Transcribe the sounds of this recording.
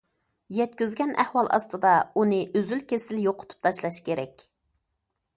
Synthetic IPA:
jɛt̪̚kʲyzɡʲɛnʔæ̰hwɑlˠɑ̰st̪ɨd̪ɑunɨʔøzylkʲʰesɪljoqʰʊ̥t̪ʰu̥p̚t̪ʰɑʃlˠɑʃkʲeɾɛ̰kʲ

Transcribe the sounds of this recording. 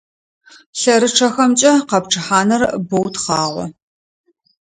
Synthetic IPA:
ɬɐɾɨʈ͡ʂʰɐxɐmt͡ʃʼɐqɐpʈ͡ʂʰɨħaːnɐrbowtχɑːʁʷɔ̰

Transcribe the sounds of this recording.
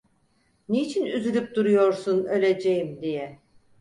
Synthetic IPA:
neit͡ʃʰinyzylʲyp̚d̪uɾujo̞ɾsunø̞lʲe̞d͡ʒejimd̪ijɛ

